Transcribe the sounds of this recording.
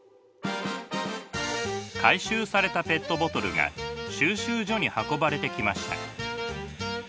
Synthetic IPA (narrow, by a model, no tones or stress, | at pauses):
kʰaiɕɨːsaɾe̞t̪ape̞t̪ːo̞bo̞t̪o̞ɾɯ̟ɡa̰ɕɨːɕɨːʑo̞ɲ̟ihako̞baɾe̞t̪e̞kʲimaɕi̥t̪a̰